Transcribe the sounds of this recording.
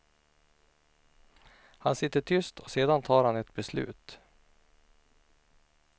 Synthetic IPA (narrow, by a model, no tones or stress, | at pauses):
hansɪt̪ːəʈʰʏst̪ʰɔseːd̪ant̪ʰɑːɾhanɛt̪bɛslʉ̟̰ːt̪